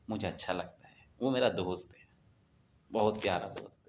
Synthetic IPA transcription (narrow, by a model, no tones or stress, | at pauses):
mʊd͡ʒʱeɐtːʃʰalɐɡ̚t̪aɦɛ | ʋomeːɾad̪oːst̪ɦɛ | bɐɦʊt̪̚pjaːɾa̰d̪o̰ːst̪